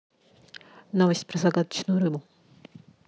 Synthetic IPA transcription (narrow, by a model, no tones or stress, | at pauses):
novəsʲtʲpɾəzaɡad̪ə̥t͡ɕnʊjʊɾɨbʊ